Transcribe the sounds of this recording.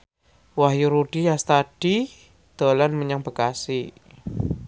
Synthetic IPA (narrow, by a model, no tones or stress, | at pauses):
waɦjuɾuɖ̥ijast̪ad̥i | d̪̥a̤lanməɲaŋbə̤kasi